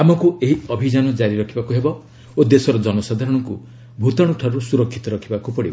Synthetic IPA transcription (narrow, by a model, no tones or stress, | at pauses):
amɔkueɦiɔbʱid͡ʒanɔd͡ʒaɾiɾɔkʰibakuɦebɔ | od̪esɔɾɔd͡ʒɔnɔsad̪ʱaɾɔɽ̃ɔŋku | bʱut̪aɽ̃ɔʈʰaɾusuɾɔkʰːit̪ɔɾɔkʰibakupɔɽibɔ